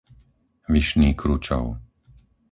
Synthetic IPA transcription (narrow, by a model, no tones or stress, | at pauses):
ʋiʃniːkɾut͡ʃɔ̰ʊ